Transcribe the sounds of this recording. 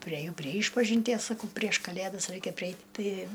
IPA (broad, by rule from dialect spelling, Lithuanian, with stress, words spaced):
pʲrʲiɛˈjɛʊ pʲrʲiɛ ˈiːʃpɐʒʲɪnʲtʲiɛs sɐˈkɐʊ pʲrʲiɛʃ ˈkɑːlʲeːdɐs ˈrɐɪkʲɛ pʲrʲɪˈɛɪtʲ ˈtʲɪ